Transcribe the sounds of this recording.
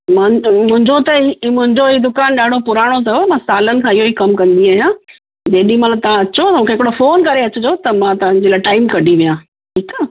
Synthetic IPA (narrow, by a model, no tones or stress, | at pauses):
mʊ̃mʊ̃ɦɪ̃ɲd͡ʑot̪ɐimʊ̃ɦɪ̃ɲd͡ʑoiːd̪ʊkaːnɗaːɖʱopʊɾaːɽ̃ot̪ɐmãːsaːlənɪ̆kʰãːɪɦoikɐmkɐ̃nd̪iaːɦijãː | d͡ʑeːɗĩmãːlat̪ɐʋ̤ãɐt͡ɕot̪ɐmũːkʰeɦɪkɪɽofoːnkɐɾeɐt͡ɕɪd͡ʑot̪ɐmãt̪ɐʋə̃ɲd͡ʑelaːɪʈaːɪmkɐɖʱiʋijãː | ʈʰiːkaː